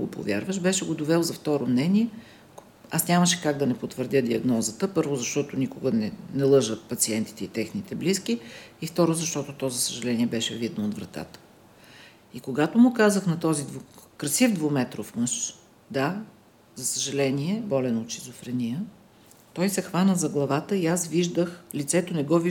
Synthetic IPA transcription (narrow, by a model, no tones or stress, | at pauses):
ɡo̰po̰vʲjaɾvəʃbɛʃɛɡod̪ovɛlˠzɐft̪ɔɾomnɛniɛ | asnʲaməʃɛ̥kaɡd̪ɐnɛpot̪vəɾd̪ʲəd̪iɐɡnɔzət̪əpɤɾvʊzɐʃt̪ɔt̪ʊnikʊɡənɛnɛlˠɤʒəpɐt̪siɛnt̪i̥t̪ɛit̪ɛxnit̪ɛbliskiift̪ɔɾozɐʃt̪ɔt̪ʊt̪ɔzɐsəʒɐlɛniɛbɛʃɛvid̪̚noːd̪vɾɐt̪a̰t̪ə̥ | ikoɡat̪ʊmʊkazəxnɐt̪ɔzid̪vokɾɐsivd̪vomɛt̪ɾofmɤʃ | d̪a | zɐsəʒɐlɛniɛbɔlɛnot̪t͡ʃizʊfɾɛnijə | t̪ɔjsɛxvanəzɐɡlˠɐvat̪əiasviʒd̪əxlit̪sɛt̪onɛɡɔvi